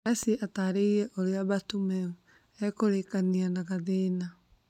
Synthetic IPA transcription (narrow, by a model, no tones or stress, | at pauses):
ɛsiʔataɾeiɾɛʔoɾeaβatumɛ | ɛkoɾekanianaɣaðena